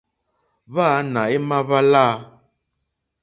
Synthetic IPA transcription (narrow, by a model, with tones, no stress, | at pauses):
βa˦˨˦nã˨e˦mã˦βa˦la˦